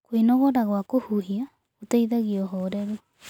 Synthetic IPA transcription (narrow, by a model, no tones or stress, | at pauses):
kwenɔɣɔɾaɣwakohuɦia | otaiðaɣiɔɦɔɾɛɾe